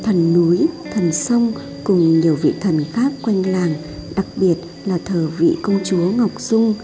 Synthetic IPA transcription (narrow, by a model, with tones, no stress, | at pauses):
t̪ʰə˨˩nːu˨˦jt̪ʰə˨˩nsə˧wŋ͡m | kʊ˨˩ŋ͡mɲi˨˩əwvḭ˧˨t̪ʰə˨˩nxaː˦˥kːwa˧jŋ̟laː˨˩ŋ | ɗa˨˩k̚ɓi˨˩ət̚ | laː˨˩t̪ʰəː˨˩vḭ˧˨kə˧wŋ͡mt͡ɕu˨˦əŋa˨˩wk͡p̚z̥ʊ˧ŋ͡m